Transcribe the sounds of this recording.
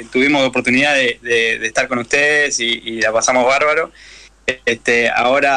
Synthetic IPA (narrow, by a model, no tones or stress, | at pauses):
t̪uβimo̞sopo̞ɾt̪uniðaðeðeðeht̪aɾko̞nuht̪eðesiːlapasamozβaɾβaɾo̞ | est̪ea̰o̞ɾa